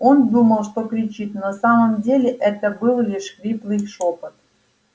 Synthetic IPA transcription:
ond̪uməlˠʂt̪okɾʲit͡ɕit̪nɐsaməmdʲelʲɪʔɛt̪əbɨlˠlʲiʂkɾʲiplˠɨjʂopɨt̪̚

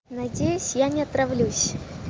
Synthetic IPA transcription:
nɐdʲejʊsʲjanʲɪɐt̪ɾɐvlʲusʲ

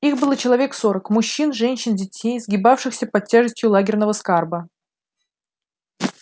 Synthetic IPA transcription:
ixbɨlˠt͡ɕɪlˠɐvʲe̞ksoɾəkmʊɕːinʐɛnʲɕːɪndʲɪtʲejzɡʲɪbafʂɨxsʲəpɐtʲːaʐɨsʲtʲjʊlˠaɡʲɪrnəvəskarbə

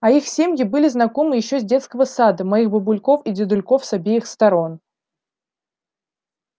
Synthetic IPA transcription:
ɐixsʲemʲjɪbɨlʲɪznɐko̞mɨjɪɕːozʲdʲe̞t̪skəvəsad̪əmɐixbəbʊlʲko̞fidʲɪd̪ʊlʲko̞fsɐbʲejɪxst̪ɐɾo̞n

